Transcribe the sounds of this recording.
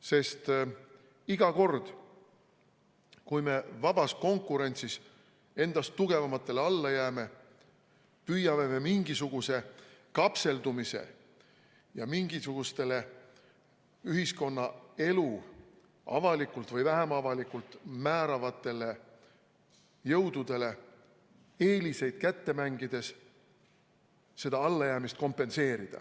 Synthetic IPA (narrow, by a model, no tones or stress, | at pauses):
se̞st̪ | iɡ̥ɑko̞rd̪̥ | kujme̞vɑb̥ɑsko̞ŋkːˑuɾe̞nʲt̪sis | e̞nd̪̥ɑst̪ːuɡ̥e̞vɑmɑt̪ːˑe̞leɑlːɑjæːme̞ | pyjɑme̞me̞miŋɡ̥isuɡ̥use̞kɑpse̞ld̪̥umise̞̰ | jɑmiŋɡ̥isuɡ̥ust̪e̞le̞ | yhisko̞nːɑe̞lu | ʔɑ̰vɑlikˑult̪ˑvɤjvæɦemɑvɑlikˑult̪ˑmæːɾɑvɑt̪ːˑe̞le̞ | jɤwd̪̥ud̪̥e̞le̞ | e̞ːlise̞jd̪̥kæt̪ːe̞mæŋɡid̪̥e̞s | se̞d̪̥ɑɑlːɑjæːmist̪̚ko̞mpːe̞nse̞ːɾid̪̥ɑ̰